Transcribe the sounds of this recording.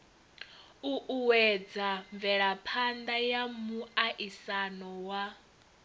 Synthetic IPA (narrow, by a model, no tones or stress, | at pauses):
uʔuwɛd͡zaɱvɛɺapʰand̪ajamuaʔisanɔwa